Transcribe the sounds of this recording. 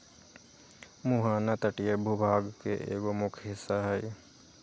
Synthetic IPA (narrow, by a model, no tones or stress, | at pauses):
muɦaːnat̪əʈijebʱubʱaːɡkeʔḛːɡomʊkʰɦɪsːaɦɛj